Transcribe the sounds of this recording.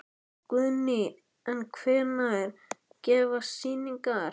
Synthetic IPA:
kʏðnɪ | ɛnkʰvɛːɾnaɪɾ̥ | cɛːvḁsiːniŋkaɾ

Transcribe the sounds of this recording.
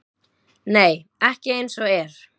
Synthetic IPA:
neːj | ɛhcɪejnsɔɛɾ̥

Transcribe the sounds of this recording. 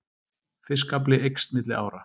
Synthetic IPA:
θɪskap̬lɪejkst̪mɪt̪lɪʔa̰ːwɾa

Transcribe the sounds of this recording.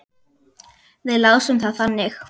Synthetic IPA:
θɪðlaɣsʏmθaðθanːɪx

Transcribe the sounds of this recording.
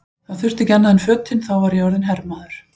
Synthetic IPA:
θaθʏr̥t̪ɪcɛnːaðɪnfœːt̪ʰɪnθawvaɾjɔɾðɪnɦɛɾmaːðʏɾ̥

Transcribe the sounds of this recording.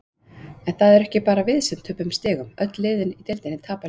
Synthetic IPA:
ɛnθaðɛɾɛhcɪpaːɾavɪðsɛm̥t̪ʰːʏːpʏmst̪ɪːɣʏmœt̪lːɪːðɪnit̪ɪlt̪ɪnɪt̪ʰaːpa

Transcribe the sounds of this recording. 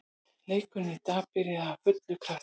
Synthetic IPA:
leːjkʏnːɪt̪aːpɪɾɪðafʏt̪lʏkʰɾaht̪

